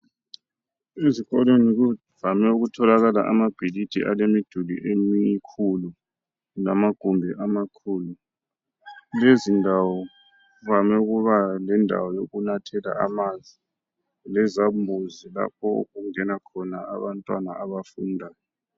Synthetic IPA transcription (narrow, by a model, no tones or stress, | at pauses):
eziɣɔleniɣu | vamɛuɣutʰɔlaɣalaʔamab̥ʱilid̥ʱḭʔalemid̥ʱulḭʔemikʰulu | namaɡ̥ʱumbʱiʔamakʰuːlu | lezindʱawɔ | vamɛuɣuβalɛndʱa̰wɔjoɣunatʰɛla̰amanzi | lɛzambʱuzila̰p̚ʰɔo̰ɣuŋɛnakʰɔnaa̰βantʼwanaʔaβafundʱaːjɔ